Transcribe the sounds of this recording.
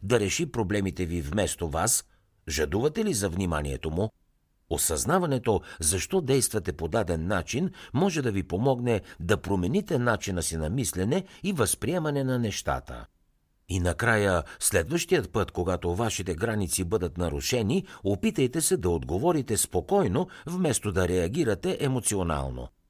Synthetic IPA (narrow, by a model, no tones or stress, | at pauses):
d̪ɐɾɛʃipɾoblɛmit̪ɛvivmɛst̪ovas | ʒɐd̪uvɐt̪ɛlizɐvnima̰niɛ̰t̪omʊ | osɐznavɐnɛt̪ozɐʃt̪ɔd̪ɛjst̪vɐt̪ɛpod̪ad̪ɛnːat͡ʃinmɔʒɛd̪ɐvipomɔɡnɛd̪ɐpɾomɛnit̪ɛnat͡ʃinɐsinɐmislɛnɛivɐspɾiɛmɐnɛnɐnɛʃt̪a̰t̪ə̰ | inɐkɾajəslɛd̪vəʃt̪ijət̪̚pɤt̪koɡat̪ovaʃit̪ɛɡɾanit̪sibɤd̪ət̪nɐɾuʃɛniopit̪əjt̪ɛsɛd̪ɐod̪ɡovɔɾit̪ɛspokɔjnovmɛst̪od̪ɐɾɛɐɡʲiɾɐt̪ɛʔɛmot̪siona̰lˠno̰